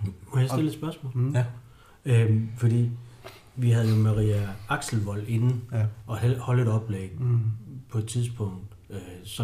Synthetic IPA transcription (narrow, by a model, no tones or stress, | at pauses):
kʰujasdele̝d̥sb̥ɶɐsmɔ̰̽ːl | øfɒ̽d̥ḭː | ʋiɦæð̞̩ˠjo̝mɑʁiːæɑ̈ɡ̥sl̩ʋɒ̽l̰e̝nɒ̽hɒ̽ləe̝ɾɒ̽b̥lḛːɡ | pʰɒ̽e̝d̥̚t͡sʰið̞ˠsb̥ɔ̽ŋ̰d̥ | sɒ̽